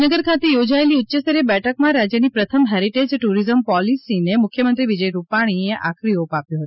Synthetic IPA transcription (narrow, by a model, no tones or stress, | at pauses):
nəɡəɾkʰat̪ejod͡ʒaeliʊtːʃəst̪əɾebɛʈʰək̚mãɾad͡ʒjənipɾət̪ʰəmɦɛɾiʈed͡ʒʈuɾizəmpɔlisinemʊkʰjəmənt̪ɾiʋid͡ʒəjɾupaɽ̃ieʔa̰kʰɾiopapjũɦət̪